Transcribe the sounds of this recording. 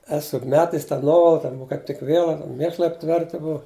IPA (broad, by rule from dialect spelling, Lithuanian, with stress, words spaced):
ˈæːsʊ jʊk ˈmʲæːtʲɛs tɐ ˈnuɔʋɐlˠɐ ˈtʲɛn uɔ kɐɪp ˈtʲɪk ˈʋʲiɛlˠɐ tʲɛn ˈmʲeːʃlˠɐɪ ɐpʲˈtʲʋʲɛrʲtʲɪ ˈbʊɐ